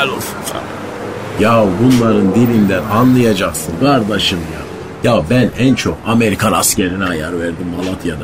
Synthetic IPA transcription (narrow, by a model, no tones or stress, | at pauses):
ɛlʲolˠsunsa̰ | jabunlˠaɾɯnd̪ilʲind̪ænanlˠɯjad͡ʒaksɯnkʰaɾd̪aʃɯmja | jabænænt͡ʃʰokame̞ɾikʰanasceɾinɛajaɾvæɾd̪imːalˠat̪ʰjad̪a